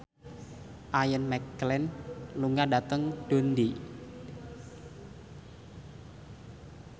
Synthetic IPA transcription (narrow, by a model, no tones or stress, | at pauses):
ʔajənmɛkːlɛnluŋadat̪əŋɖ̥o̤nd̪i